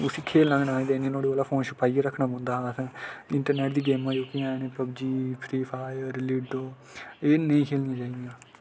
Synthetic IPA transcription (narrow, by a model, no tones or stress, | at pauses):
ʊsiːkʰeːlnãːɡnaːd̪enĩnoːɽeːaːlaːpʰoːnʃʊpaːijaɾəkʰːɳaːbõːnd̪aːɦãsʰãɪɳʈəɾneːʈd̪iːɡeːmãːjoːkijãːneːpəbd͡ʒiːpʰɾiːpʰaːjəɾliɖoː | eːnəĩːkʰeːlnijãːd͡ʒaːiɡ̪ijãː